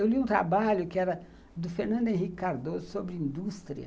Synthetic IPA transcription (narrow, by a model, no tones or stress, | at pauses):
ewliũt̪ɾa̰baʎʊkɪɛɾɐ | d̪ʊfeɾnɐ̃d̪ʊẽɦikɪkaɾd̪ozʊsobɾɪĩnd̪ust̪ɾiɐ̰